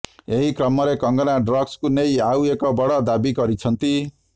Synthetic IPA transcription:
eɦikrʌmːʌɾekʌŋɡʌnaɖrʌɡskunejawekʌbʌɽʌd̪abiɡʌɾit͡sʰʌnt̪i

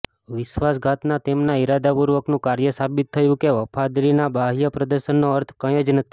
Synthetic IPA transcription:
ʋɪʃʋasɡʱat̪nat̪emnaiɾad̪apuɾʋəknũkaɾjəsabit̪ʰːəjũkeʋəpʰad̪ɾinabʱaɦjəpɾəd̪əɾʃənːoəɾt̪ʰkəj̃ed͡ʒnət̪ʰi

